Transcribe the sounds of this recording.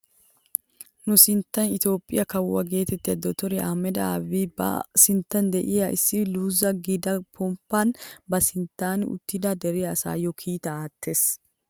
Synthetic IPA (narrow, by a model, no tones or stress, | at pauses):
nʊsɪnt̪ːɐnɪt̪o̞ːpʼːɪjɐkɐwːɐɡe̞ːt̪ɛt̪ːɪɐd̪ɔt̪ɔɾɛaːmɛd̪ɐabibɐ̰sɪnt̪ːɐnd̪ɛʔɪjaʔɪsːɪluːzɐɡɪd̪ɐpʰɔmpːanbɐsɪnt̪ːaːnʊ̰t̪ːɪd̪ad̪ɛɾɛɐsa̰ːjɔkʰiːt̪ɐaːt̪ʰːe̞ːs